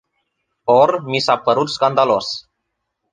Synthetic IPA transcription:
ormisapəɾut̪skand̪alo̞s

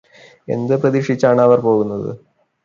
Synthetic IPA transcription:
e̞̰nd̪ɨprɐðiʂit͡ɕːaːɳɨɐʋɐrpo̞ːɣunːɐðɨ̰

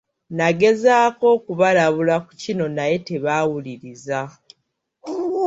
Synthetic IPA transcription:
naɡe̞zaːko̞kuβalaβulaku̥cino̞naje̞te̞βawuliɾiza

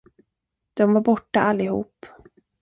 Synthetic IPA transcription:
d̪̥ɔmvaɾbɔʈːaʔalːɪhṵːp

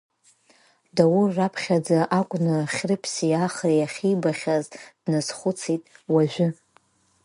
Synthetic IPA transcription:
dawʊrːapʰχʲad͡zaʔakʷʼnɨχʲrɨpʰsiaχrijaχʲibaχʲazdnɨz̥χʷʊt͡sʰitʼwaʒᶣʷɪ

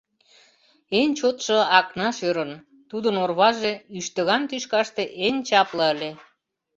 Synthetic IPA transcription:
enʲt͡ɕot̪ʃoɑknɑʃøɾən | t̪ud̪ənorβɑʒeyʃt̪ə̆ɣɑmt̪yʃkɑʃt̪eʔenʲt͡ɕɑpləəlʲe

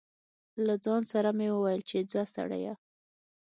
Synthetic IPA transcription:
lad͡zɑnsaɾamewəwajəlt͡ʃed͡zast̪a̰ɽa̰ja

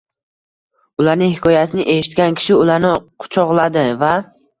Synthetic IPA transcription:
ʊlaɾnɪŋhɪkʰɒjasɪnɪʔe̞ʃɪ̥t̪̚kʲankʲʰɪ̥ʃɪʊlaɾnɪqʰʊ̥t͡ʃʰɒʁlˠad̪ɪva

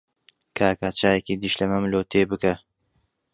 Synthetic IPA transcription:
kʰaːkaːt͡ʃaːjekid̪iʃlɐmɐmloːt̪ʰeːbɨkɐ

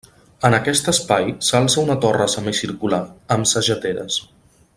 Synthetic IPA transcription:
ənəkɛst̪əspajsalˠsəunət̪ɔrəsəmisiɾkulaəmsəʒət̪eɾə̰s

